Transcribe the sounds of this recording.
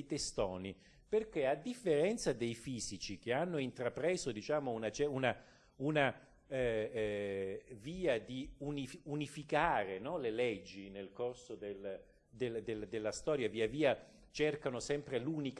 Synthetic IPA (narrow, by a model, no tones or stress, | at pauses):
t̪est̪ɔːni | perk̟ead̪ːifːeɾɛnt̪sad̪ejfiːzit͡ʃik̟eanːoint̪ɾapɾɛːzod̪it͡ʃaːmounat͡ʃɛuna | una | viːad̪iuniunifikaːɾenɔlelɛd͡ʒːinelkorsod̪el | d̪eld̪eld̪elːast̪ɔːɾjaviːaviːa | t͡ʃerkanosɛmpɾeluːnik